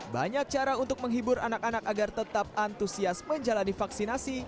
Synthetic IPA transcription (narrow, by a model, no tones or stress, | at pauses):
baɲak̚t͡ʃaɾaunt̪ʊk̚məŋɦibʊɾanakanakaɡart̪ət̪ap̚ant̪usiasməɲd͡ʒalanifaksinasi